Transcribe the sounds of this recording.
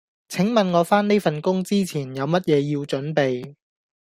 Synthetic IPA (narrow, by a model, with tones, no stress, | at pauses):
t͡sʰɪ˨˥ŋmɐ˨nŋɔː˨˧faː˥ne˥jfɐ˨nkʊ˥ŋt͡siː˥t͡sʰiː˨˩njɐ˨˧wmɐ˥t̚jɛː˨˧jiː˧wt͡ʃɵ˨˥npe˨j